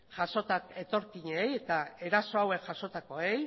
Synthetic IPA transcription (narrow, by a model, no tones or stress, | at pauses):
ʝaso̞t̪ake̞t̪o̞ɾkiɲeeje̞t̪ae̞ɾaso̞awe̞kʝaʃo̞t̪ako̞e̞j